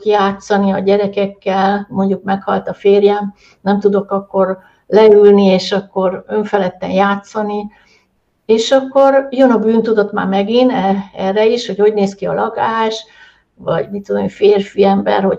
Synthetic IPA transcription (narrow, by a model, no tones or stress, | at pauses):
kjaːt̪sɒniɒɟɛɾɛkɛkːɛlmo̞ɲɟukmɛkhɒlt̪ɒfeːrjɛm | nɛmt̪ud̪o̞kɒkːo̞r | lɛylnieːʃɒkːo̞røɱfɛlɛt̪ːɛ̰njaːt̪sɒni | eːʃɒkːo̞rjønɒbyːnt̪ud̪o̞t̪ma̰ːmɛɡinɛɛrːɛiʃho̞ɟho̞ɟneːskiɒ̰lɒɡaːʃ | vɒ̰ɟmit̪ːud̪omifeːrfiɛmbɛ̰rho̞